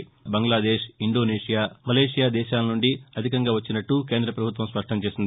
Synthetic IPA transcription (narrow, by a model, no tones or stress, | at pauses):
bɐŋɡlaːd̪eːʂiɳɖo̞ːneːʂijaːmɐleːʂijaːd̪ɛːʃaːlɐnuɳɖiɐd̪ʱikɐŋɡaːʋɐt͡ʃːinɐʈːukeːnd̪ɾɐpɾɐbʱut̪ʋɐmspɐʂʈʰɐmt͡ʃeːsind̪i